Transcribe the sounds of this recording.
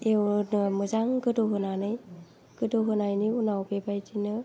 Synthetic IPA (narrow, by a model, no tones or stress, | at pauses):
ewnmɯzaŋɡɯdoɦɯnanɯj | ɡ̥ɯdoɦɯnajniunawbebajtʰinɯ